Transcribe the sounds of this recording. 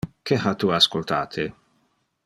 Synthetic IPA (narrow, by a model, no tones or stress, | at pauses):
kehat̪uaskolt̪a̰ːt̪ʰe